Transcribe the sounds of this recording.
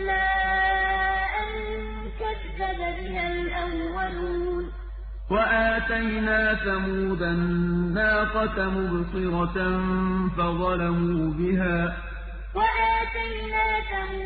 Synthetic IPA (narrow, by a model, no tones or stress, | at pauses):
maː | ʔan | kað | ababɪhalʔawːaluːn | waʔaːt̪ajnaːθamuːðannːaːqɑt̪amʊbsˤɨɾɑnfɑðˤɑlamuːbɪɦaː | waʔaːt̪ajnaːθamuː